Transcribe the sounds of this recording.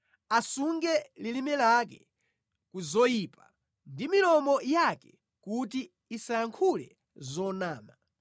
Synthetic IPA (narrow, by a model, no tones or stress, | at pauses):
asuŋɡɛlilimɛlak̬ɛ̰ | kuzɔjiːpa | ndimilɔmɔjakɛ | kut̬iː | sajaŋkʰulɛ̰ | zɔnaːma